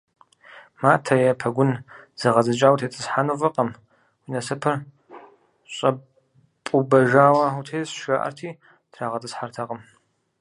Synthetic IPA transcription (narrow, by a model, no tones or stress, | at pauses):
maːtʰɐjɛpʰɐɡʷʊnz̥ɐʁɐzɨt͡ʃʼaːwtʰeːt͡sʼɨsħanuvɐqʼɐm | winɐsɐpʰɐr | ɕʼɐ | pʼubɐʒaːwɐutʰeːsʃaʔɐ̰rtʰiː | tʰraːʁɐtʼɨsħartʰɐqʼɐm